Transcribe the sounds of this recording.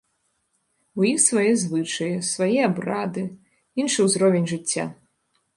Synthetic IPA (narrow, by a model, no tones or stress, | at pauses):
wjixsvajɛzvɨt͡ʂɐjisvajɛabɾad̪ɨ | inʂɨwzɾɔvʲenʲʐɨt͡sʲːa̰